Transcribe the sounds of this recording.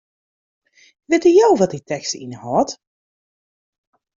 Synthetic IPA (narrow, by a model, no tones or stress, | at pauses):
ʋɪtəjowʋɔt̚itɛkstḭnəhɔt